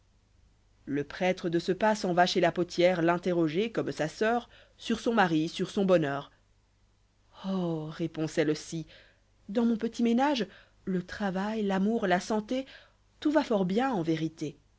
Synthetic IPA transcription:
ləpχɛt̪χəd̪əsəpasɑ̃vaʃelapot̪jɛʁlɛ̃t̪eʁɔʒekɔmsasœːʁ | syʁsɔ̃maʁisyʁsɔ̃bɔnœːʁ | ɔʁepɔ̃sɛlosi | d̪ɑ̃mɔ̃pət̪ʰimenaʒ | lət̪χavajlamuʁlasɑ̃t̪e | t̪uvafɔʁbjɛ̃ɑ̃veʁit̪e

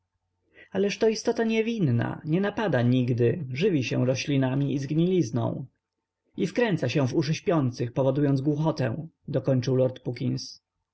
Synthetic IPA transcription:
alɛʂt̪ɔist̪ɔt̪aɲɛvʲinːa̰ɲɛnapad̪aɲiɡd̪ɘʐɘvʲiɕɛ̃ɾɔɕlʲinamʲiizɡɲilʲiznɔ̰̃w̃ | ifkɾɛnt̪saɕɛ̃vuʂɘɕpʲjɔnt̪sɘxpɔvɔd̪ujɔnd̪zɡwuxɔt̪ɛ̰̃w̃ | d̪ɔkɔɲt͡ʂɘwlɔɾt̪pukʲins

